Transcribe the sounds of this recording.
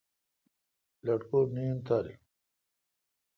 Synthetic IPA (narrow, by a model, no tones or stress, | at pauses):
lɐʈkonijunt̪aːɾḭ